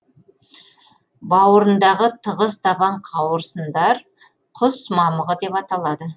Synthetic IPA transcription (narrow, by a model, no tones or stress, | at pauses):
bɑwəɾənd̪ɑʁət̪ʰəʁəst̪ɑbɑɴqʰɑwəɾsənd̪ɑɾ | qʰʊsmɑməʁəd̪e̞pɑt̪ɑlˠɑd̪ə